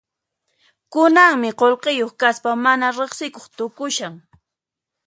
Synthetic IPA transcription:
kʊnaŋmɪqolqejoχkaspamanaɾeχsɪkoχt̪ʊkʊʃaŋ

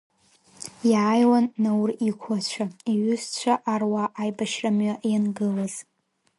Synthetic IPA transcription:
jajwanːawrikʷʰat͡ɕʷʰaiɥʏst͡ɕʷʰaʔarwaʔːjbaʃramɥaʔjanɡɨlaz

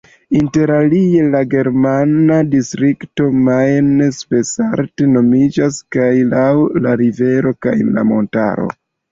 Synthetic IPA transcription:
inte̞ɾalie̞laɡe̞ɾmanadistɾikto̞majnspe̞saɾte̞no̞mid͡ʒaskajlawlaɾive̞ɾo̞ka̰jla̰mo̞nta̰ɾo̞̰

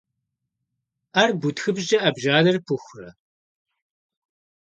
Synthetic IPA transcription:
arbutxɨbʒɐʔɐbʒaːlɐrpʰɨxʷrɐ̰

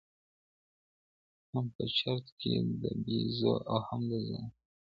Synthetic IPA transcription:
maŋpət͡ʃaɾt̪ked̪əbizoʔawhamd̪əza

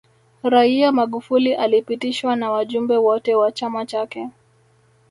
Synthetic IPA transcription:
ɾaiamaɠufuliʔalipitiʃwanawaʄumbɛwɔtɛwat͡ʃamat͡ʃakɛ

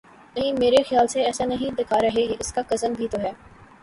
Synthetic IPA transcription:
ɛ̃ːmeːɾexjaːlseɛːsãnɐɦĩd̪ɪkʰaɾɐɦekʔɪskakɐzəmbʱit̪oɦɛː

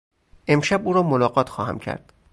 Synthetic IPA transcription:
ʔe̞mʃæbuːɾɒːmolɒːɣɒːt̪ʰxɒːhæ̰mcʰæ̰ɾd̪̥

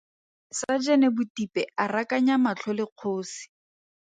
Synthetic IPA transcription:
sad͡ʒɛnɛbʊtipɛarakaɲamat͡ɬʰɔlɪq͡χʰoʊːsi̥

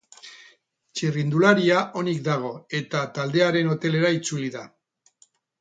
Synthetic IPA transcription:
t͡ʃirind̪ulaɾiaʔo̞nik̚d̪aɣ̞o̞e̞t̪at̪ald̪e̞aɾe̞no̞t̪e̞le̞ɾait͡suliða

